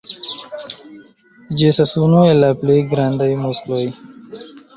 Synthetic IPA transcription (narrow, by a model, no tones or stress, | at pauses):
d͡ʑeːsɐsuːnoːelapleɡɾãːnd̪əjmosloːj